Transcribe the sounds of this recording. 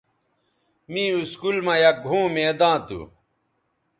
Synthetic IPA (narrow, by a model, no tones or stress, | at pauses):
mĩːuskulmãjɐk̚ɡʱũːmẽd̪ãːt̪ṵ